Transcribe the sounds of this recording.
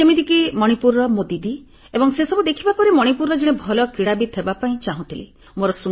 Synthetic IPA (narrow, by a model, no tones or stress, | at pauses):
emid̪ikimɔɽ̃ipuɾɔmod̪id̪i | ebɔŋsesɔbud̪ekʰibapɔɾemɔɽ̃ipuɾɔd͡ʒeɽ̃ebʱɔlɔkɾiɽabit̪ʰebapaĩt͡ʃaɦũt̪ʰili | moɾɔsu